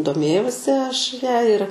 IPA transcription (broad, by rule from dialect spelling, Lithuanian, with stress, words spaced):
doːˈmʲeːjɛʊsʲɪ ˈɐʃ ˈjɛ ɪr